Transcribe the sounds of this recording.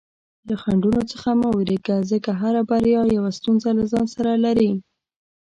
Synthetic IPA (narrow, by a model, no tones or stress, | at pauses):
laxaɳɖunot͡səxamawɾikazəkaɦaɾabaɾjɑjawast̪unzalazɑnsaɾalaɾim